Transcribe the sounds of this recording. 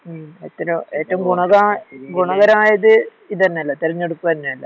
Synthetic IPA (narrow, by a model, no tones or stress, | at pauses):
et̪ːɐɾɐeːtːɐumɡuɳɐɣɐɡuɳɐɣɐɾɐaːjɐðɨ | iðɐnːeɐlːɐt̪eɾɐɲːeɽukːuʋɐnːeɐlːɐ